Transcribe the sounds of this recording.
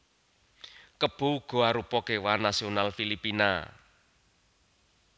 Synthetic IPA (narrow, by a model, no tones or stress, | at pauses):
kəb̥o̤ɡ̥o̤aɾupɔkewanasionalfilipina̰